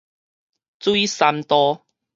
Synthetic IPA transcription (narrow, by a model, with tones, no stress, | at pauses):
t͡swu˦i˦sa˧mt̪ɔ˧